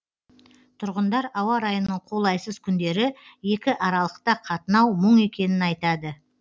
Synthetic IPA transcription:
t̪ʰʊɾʁənd̪ɑɾɑwɑɾɑjənːəɴqʰo̞lˠɑjsəzkʲʰʏnd̪e̞ɾɪje̞kʲɪʔɑɾɑlˠəqt̪ɑqʰɑt̪ənɑwməɴe̞kʲe̞nɪnɑjt̪ɑd̪ə

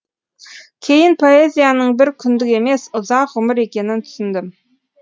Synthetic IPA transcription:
kʲʰe̞jɪnpʰo̞e̞zʲijanəɴbɪɾkʲʰʏnd̪ɪkʲe̞me̞sʊzɑqʁʊmɪɾe̞kʲe̞nɪnt̪ʰʏ̥sɪnd̪ɪm

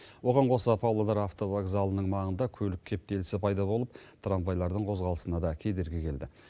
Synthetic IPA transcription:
wo̞ʁɑɴqʰo̞səpʰawlˠad̪ɑɾaft̪o̞vaɡzalˠənəɴmɑʁənd̪ɑkʲʰɵlɪkʲʰːe̞p̚t̪e̞lɪsɪpʰɑjd̪ɑbo̞lˠəp̚t̪ʰranvajlˠɑɾd̪əɴqʰo̞zʁɑlˠə̥sənɑd̪ɑkʲʰe̞jd̪e̞ɾɡʲekʲe̞ld̪ɪ

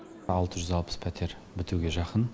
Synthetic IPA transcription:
ɑlˠt̪əʒʏzɑlˠpə̥spʰæt̪ʰe̞ɾ | bɪt̪uɡʲe̞ʒɑqən

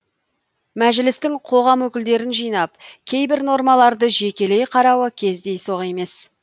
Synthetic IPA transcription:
mæʒɪlɪst̪ɪŋqʰo̞ʁɑmwɵkʲɪld̪e̞ɾɪnʒijnɑp̚kʲʰe̞jbɪɾno̞ɾmɑlˠɑɾd̪əʒe̞kʲe̞le̞jqʰɑɾɑwəkʲʰe̞zd̪e̞jso̞ʁe̞me̞s

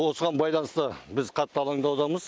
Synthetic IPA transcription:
wo̞səʁɑnbɑjlˠɑnəst̪əbɪzqʰɑt̪ːəɑlˠɑɴd̪ɑwd̪ɑməz

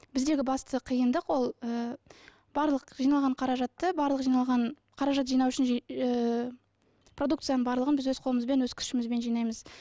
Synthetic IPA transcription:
b̥ɪzd̪e̞ɡʲɪbɑst̪əqʰijənd̪əqwo̞lˠə | bɑɾlˠəqʒijnɑlˠʁɑɴqʰɑɾɑʒɑt̪ːəbɑɾlˠəqʒijnɑlˠʁɑɴ | qʰɑɾɑʒɑt̪̬ʒijnɑwʏʃɪn | pro̞d̪ukt̪sɨjanəɴbɑɾlˠəʁənbɪzwɵzqʰo̞lˠəməzbe̞nwɵzkʲʰʏ̥ʃɪmɪzbe̞nʒijnɑjməz̥

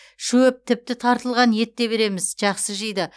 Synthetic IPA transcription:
ʃɵɪp̚t̪ʰɪp̚t̪ɪt̪ʰɑɾt̪əlˠʁɑnje̞t̪ːe̞be̞ɾe̞mɪzʒɑqsəʒəjd̪ə

